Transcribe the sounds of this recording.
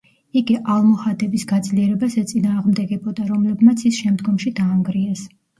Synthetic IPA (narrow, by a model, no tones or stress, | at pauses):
iɡiʔalˠmɔχad̪ʼɛbisɡad̪zliɛɾɛbasɛt̪sʼinaːʁmd̪ɛɡɛbɔd̪aɾɔmlɛbmat̪sʰisʃɛmd̪ɡɔmʃid̪aːŋɡɾiɛs